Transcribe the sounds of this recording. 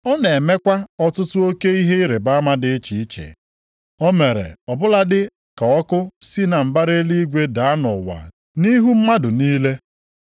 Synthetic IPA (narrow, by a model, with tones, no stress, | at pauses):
ɔ˦ne˨me˦kʷa˦ɔ˦tʊ˦tʊ˦o˦ke˦i˦ɦe˦i˦ɾe˨ba˦ma˦dɪ˦t͡ʃi˨i˦t͡ʃḛ˨ | o˦me˨ɾḛ˨ɔ˨bʊ˦la˦dɪ˦ | ka˨ɔ˦kʊ˦si˦na˨m̩˨ba˦ɾe˦li˦i˦ɡʷe˦da˨a˦nɔ˨wa̰˨ | ni˦ɦu˦m̩˦ma˦dʊ˨niː˦le˦